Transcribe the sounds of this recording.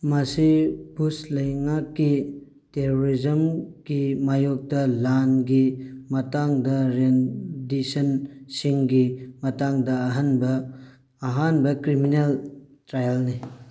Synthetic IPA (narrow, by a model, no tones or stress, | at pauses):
mɐsib̥uslɐjŋakːi | teɾoɾizɐmɡ̥imajok̚dɐlanɡimɐtaŋdɐɾendisɐnsiŋɡimɐtaŋdɐːɦanbɐː | ɦanbɐkɾimineltɾajɐlni